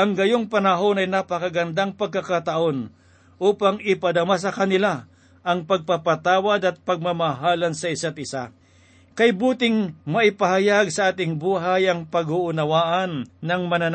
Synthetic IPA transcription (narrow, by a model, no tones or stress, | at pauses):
ʔɐŋɡɐjoŋpɐnɐɦo̞nɐjnapɐkaɡɐnd̪aŋpɐɡ̚kakat̪aʔo̞n | ʔuːpaŋɪpɐd̪ɐmas̬ɐkɐnɪla | ʔɐŋpɐɡ̚papɐt̪aːwad̪ɐt̪̚pɐɡ̚mamaɦaːlɐnsɐɪsat̪̚ʔɪsa | kɐjbuːt̪ɪŋmɐʔɪpɐhajaɡsɐʔaːt̪ɪŋbuːɦajɐŋpɐɡhʊʔʊnɐwaːʔɐnːɐŋmɐnan